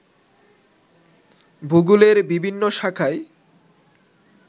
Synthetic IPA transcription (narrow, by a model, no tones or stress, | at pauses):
bʱuɡuleɾbibʱinːoʃakʰae